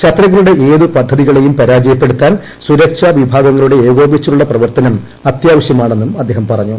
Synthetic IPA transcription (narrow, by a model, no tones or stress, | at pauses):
t͡ɕɐt̪ːɾɐɣːɐluɽe̞ʔeːðɨpɐd̪ʱːɐðiɣɐɭe̞jumpɐɾaːd͡ʑɐjɐpːeɽut̪ːaːn | suɾɐkʂɐʋibʱaːɡɐŋːɐɭuɽe̞eːɡo̞ːbit͡ɕːuuɭːɐprɐʋɐrt̪ɐnɐm | ɐt̪jaːʋɐɕjɐmaːɳe̞nːumɐd̪ʱːe̞ːɦɐmpɐrɐɲːu